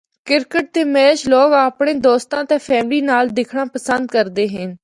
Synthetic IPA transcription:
kɪɾkəʈ̚d̪eːmɛːʃloːkaːpɽẽːd̪oːst̪ãːt̪eːpʰɛːmliːnaːld̪ɪkʰɽãːpəsənd̪kəɾd̪eːɦɪn

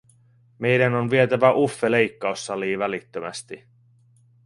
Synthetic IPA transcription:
me̞jdænonʋiet̪æʋæʔufːe̞le̞jkːɑusːɑliːʋælit̪ːømæ̰st̪i

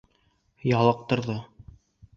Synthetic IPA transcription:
jɑlˠɤq̚t̪ŏɾðɤ

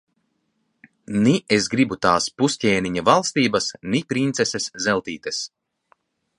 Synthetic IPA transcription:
niesɡɾibut̪aːspusʲcʲɛːniɲavalˠst̪iːbasnipɾint̪seseszɛlˠt̪iːt̪es

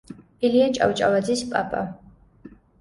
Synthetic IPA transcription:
iliat͡ʃʼa̰wt͡ʃʼa̰lad̪zispʼapʼa

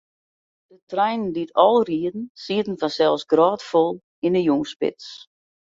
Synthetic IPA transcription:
d̥ətrɛjnən̩ditʰɔlˠriədn̩siətn̩fansɛlˠsɡrɔːtfolˠ | inəjuŋspɪ̰ts

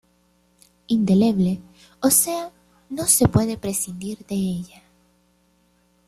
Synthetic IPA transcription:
ind̪e̞le̞βle̞ | ose̞a | no̞se̞pwe̞ðe̞pɾe̞sind̪iɾðe̞eʝa

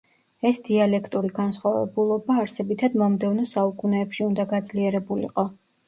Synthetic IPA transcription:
ɛsd̪̥ialɛkʰt̪ʼuɾiɡansχwavɛ̰bulˠɔbaːɾsɛbit̪ʰad̪mɔmd̪ɛvnɔsaukʼunɛːpʃiund̪aɡad̪zliɛɾɛbulḭqʼɔ

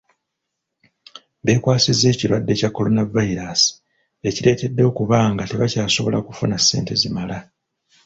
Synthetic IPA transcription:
be̞ːkwaːsize̞ːciɾwadːe̞cakːo̞lo̞navaiɾaːsi̥ | e̞ciɾe̞ːte̞dːo̞ːkuβaːŋɡate̞βacaːso̞βo̞̰la̰kufunasːe̞ːnte̞zimala

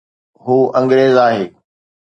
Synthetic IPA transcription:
ɦuːʔɐ̃ŋɡɾeːzaːɦeː

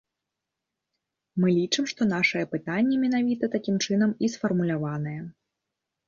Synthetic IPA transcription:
mɨlʲit͡ʂɨmʂt̪ɔnaʂɐjɛpɨt̪anʲːɛmʲɛnavʲit̪ɐt̪akʲimt͡ʂɨnɐmisfɐrmulʲavanɐjɛ

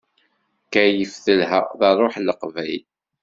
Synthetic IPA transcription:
kæjəfθəlɦæðɑrˤoħləqvæjl

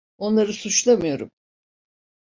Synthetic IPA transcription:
o̞nlˠaɾɯsut͡ʃlˠamɯjo̞ɾum

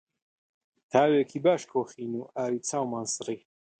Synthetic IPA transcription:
t̪ʰaːwɛkʰibaʃkʰɔχinuaːɾit͡sʰawmansɾi

